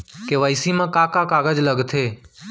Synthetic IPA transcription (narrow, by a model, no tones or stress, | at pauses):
keʋəisimãkakãkaːɡəd͡ʒləɡt̪ʰeː